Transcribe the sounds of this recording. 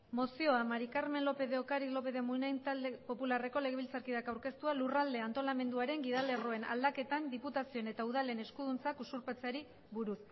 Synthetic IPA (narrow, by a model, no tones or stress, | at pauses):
mo̞sio̞amaɾikaɾme̞nlo̞pe̞ðe̞okaɾilo̞pe̞ðe̞munajnt̪ald̪epo̞pulare̞ko̞le̞ɣeilt͡saɾkiðakawɾke̞st̪ualurald̪e̞ant̪o̞lame̞nd̪uaɾe̞ŋɡiðale̞ro̞e̞na̰ld̪ake̞t̪and̪iput̪asio̞ene̞t̪auð̞ale̞ne̞skuðunt͡sakusuɾpet͡seaɾi | βuɾus